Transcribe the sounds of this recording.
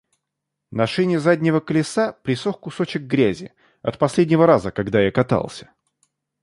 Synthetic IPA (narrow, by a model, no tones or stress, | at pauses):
nɐʂɨnʲɪzadʲnʲɪvəkəlʲɪsapɾʲɪsoxkʊsot͡ɕɪk̚ɡɾʲæzʲɪ̰ | ɐ̰t̪̚pɐsʲlʲedʲnʲɪvəɾazəkɐɡd̪ajakɐt̪a̰lˠsʲə̥